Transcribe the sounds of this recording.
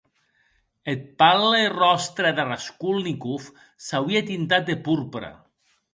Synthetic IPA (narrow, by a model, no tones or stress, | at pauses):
et̪̚palerɔst̪ɾeðeraskulnikuf | sawiat̪int̪at̪̚d̪epuɾpɾa̰